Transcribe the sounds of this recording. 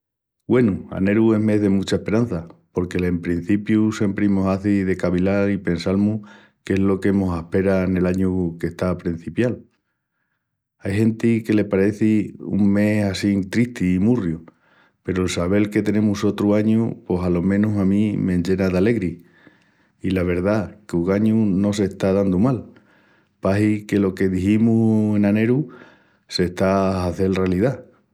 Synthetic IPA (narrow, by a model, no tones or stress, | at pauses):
ɡwe̞nua̰ne̞ɾue̞ɦme̞ɦðe̞mut͡ʃaehpe̞ɾan̟θapo̞ɾke̞lempɾin̟θipjuse̞mpɾimosaθiðe̞kaβilaɾipe̞nsalmu | keɦlo̞ke̞mo̞sahpe̞ɾane̞laɲuke̞ht̪apɾin̟θipjal | ajhe̞nt̪ike̞le̞paɾe̞θiṵŋme̞sasiŋt̪ɾiht̪iːmurju | pe̞ɾoelsaβ̞e̞lke̞t̪e̞ne̞muso̞t̪ɾuaɲupo̞salo̞mẽ̞nusamĩmẽ̞ɲʝe̞naðale̞ɣɾi | ilaβ̞e̞ɾðakuɣaɲuno̞s̬e̞ht̪aðand̪umal | paɦike̞lo̞ke̞ðihimue̞nane̞ɾu | se̞ht̪aːθe̞lrealiða